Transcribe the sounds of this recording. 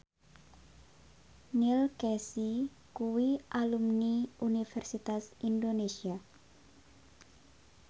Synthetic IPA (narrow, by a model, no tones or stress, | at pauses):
nilkɛsi | kuwiʔalumniunifɛrsit̪asindonesia